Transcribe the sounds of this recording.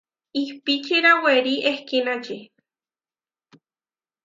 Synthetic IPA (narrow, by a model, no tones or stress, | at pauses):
ihpit͡ʃʰiɾaweɾiʔehkinad͡ʒi